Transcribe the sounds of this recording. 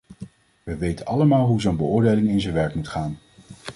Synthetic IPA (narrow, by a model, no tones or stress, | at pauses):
ʋəʋejtənɑləmaːlˠɦuzownbəʊːɹdejlɪŋɪnzənʋɛɹkmutχaːn